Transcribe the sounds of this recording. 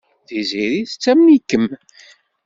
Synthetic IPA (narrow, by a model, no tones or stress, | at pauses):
θiziɾiθt͡sːæmnikːəm